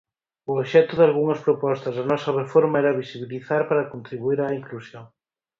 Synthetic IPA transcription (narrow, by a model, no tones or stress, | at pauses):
ʊoβʃɛt̪ʊðalɣuŋɐspɾopɔst̪ɐzðɐnɔsɐβefoɾmɐɛɾɐβisiβiliθaɾpaɾɐkont̪ɾiβuiɾaiŋklusjoŋ